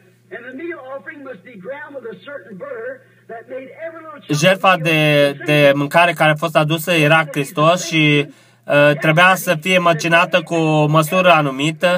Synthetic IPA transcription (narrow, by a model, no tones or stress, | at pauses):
ɨ̃nðəmiɾl̩ˠɔfə˞ɪ̃ŋmʌsb̥iɡɹãʊ̃ndʌvəsɜ˞ʔn̩bɜ˞ | ðɨt̚meɪɾɛɹiwʌ̃ʒe̞lfad̪ed̪e̞mɨŋkaɾe̞kaɾeafo̞st̪ad̪usəje̞ɾakɾist̪o̞sʃi | t̪ɾe̞bujasəfijemat͡ʃinat̪əkuməsuɾəanumit̪ə